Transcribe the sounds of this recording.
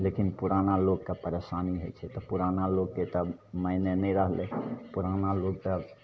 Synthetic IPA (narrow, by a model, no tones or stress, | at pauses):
leːkɪnpʊɾaːnaloːɡ̚kapəɾeʃaːniɦɛ̰t͡ʃʰɛt̪opʊɾaːnaloːɡ̚ket̪əməɪnenẽĩɾəɦleːpʊɾaːnaloːɡ̚ka